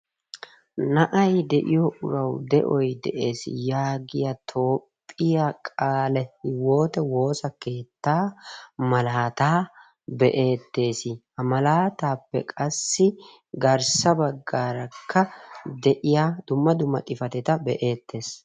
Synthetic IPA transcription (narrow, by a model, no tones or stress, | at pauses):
nɐʔɐjd̪ɛʔɪjɔʔʊ̰ɾɐwd̪ɛ̰ʔɔjd̪ɛ̰ʔe̞ːsɪ̰jaːɡɪjɐt̪ʰo̞ːpʼːɪjakʼaːlɛwo̞ːt̪ɛwo̞ːsɐke̞ːt̪ːaːmɐlaːt̪aː | bɛʔe̞ːt̪ːe̞ːsɪ | ɐmɐlaːt̪aːpːɛ̰kʼɐsːɪ | ɡɐɾsɐbɐɡːaːɾɐkːɐd̪ɛʔɪjad̪ʊmːɐd̪ʊmːɐ̰t̪ʼɪfɐt̪ɛt̪ɐbɛʔe̞ːt̪ːe̞ːs